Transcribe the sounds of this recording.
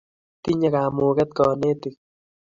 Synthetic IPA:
t̪i˦ɲa˦kaː˨mu˨kɛ˦t̪̚kɔ˨ne˦t̪i˨k̚

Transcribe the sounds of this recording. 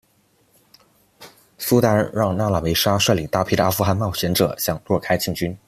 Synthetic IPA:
su˥t̪a˥ə˥˨˩ɻɑ˥˧ŋna˥˩la˨˩me˧˥ɪʂa˥ʂɤ˥˩li˨˩t̪a˥˩pʰi˥˩d̪ə˩˧a˥fu˥˧xa˥˧nmɑ˥˩ʊɕɥɛ˧˥nʈ͡ʂɤ̰˨˩ɕjɑ˨˩˦ŋlwɔ˥˩kʰa˥ɪt͡ɕʰi˥˩ŋt͡ɕy˥n

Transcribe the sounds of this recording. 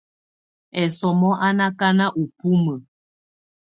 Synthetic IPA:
ɛ˨sɔ˨mɔ˦ʔa˦na˦ka˦na˦ʔu˨pu˦mə˨

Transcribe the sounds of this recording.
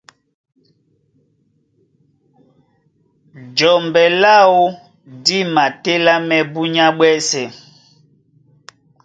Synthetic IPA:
d͡ʒɔ˨mbɛ˨la˦wo˦ | di˦ma˨te˦la˦mɛ˦bu˦ɲa˦ɓwɛ˦sɛ˨

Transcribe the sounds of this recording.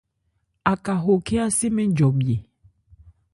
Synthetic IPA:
a˨ka˨ɦo˨ke˦a˦se˦mẽ˦d͡ʒɔ˨bi˨e˨

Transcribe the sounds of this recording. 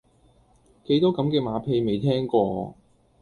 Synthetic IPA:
ke˨˥jt̪ɔː˥kɐ˨˥mkɛː˧maː˨˧˥pʰe˧jme˨˧jt̪ʰɛː˥ŋkɔː˧

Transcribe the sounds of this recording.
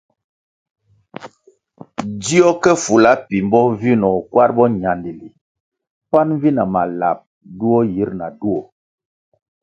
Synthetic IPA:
di˦ɔ˦kɛ˦fu˨la˨˦pi˨mbɔ˦vi˦nɔ˨kwa˦ɾbɔ˦ɲa˨ndi˨li˨ | pa˦n˦vi˦na˨ma˨la̰˨p̚ | du˦ɔ˦ji˦ɾna˨du˦ɔ˨

